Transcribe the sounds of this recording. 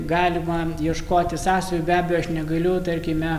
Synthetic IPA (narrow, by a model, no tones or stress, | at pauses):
ɡɑːlʲɪmɐjiɛʃkoːt̪ʲɪsɑːst̪ɐjʲubʲæːbʲɛjɔɐʃnʲɛɡɐlʲʊt̪ɐrʲkʲɪmʲɛ